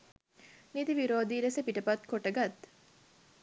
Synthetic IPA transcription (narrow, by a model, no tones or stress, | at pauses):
mid̪iʋiɾoːd̪iːɾesepiʈɐpɐt̪koʈɐɡɐt̪